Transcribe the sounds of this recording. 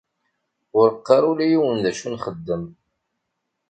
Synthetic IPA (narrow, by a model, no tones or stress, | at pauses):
ʊɾəqːɑɾˤʊlijiwənðæʃunχəd̪ːəm